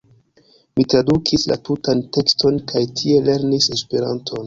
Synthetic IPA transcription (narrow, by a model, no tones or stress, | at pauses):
mitɾadukʰisla̰tutante̞kstʰo̞nkʰajtʰie̞le̞ɾnise̞speɾa̰ntʰo̞n